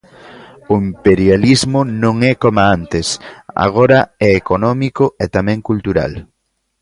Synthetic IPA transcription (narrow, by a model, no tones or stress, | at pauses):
ʊimpeɾjalizmʊnõŋɛkomaant̪esa̰ɣ̞oɾaɛekonɔmikoet̪amɛ̃ŋkult̪uɾa̰l